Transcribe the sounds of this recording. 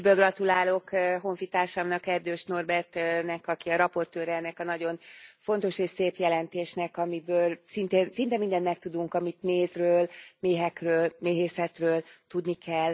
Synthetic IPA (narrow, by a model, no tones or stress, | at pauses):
bøːlɡrɒt̪ulaːlo̞kɦo̞ɱfit̪aːrʃɒmnɒkɛrd̪øːʃno̞rbɛrt̪nɛkɒkiɒɾɒpo̞rt̪øːɾɛɛnːɛkɒnɒɟo̞nfo̞n̪t̪o̞ʃeːʃseːpjɛlɛnt̪eːʃnɛkɒmibøːlsint̪eːnsint̪ɛmind̪ɛnːmɛk̚t̪ud̪uŋkɒmit̪meːzrøːlmeːɦɛkrøːlmeːɦeːsɛt̪røːlt̪ud̪nikʰɛl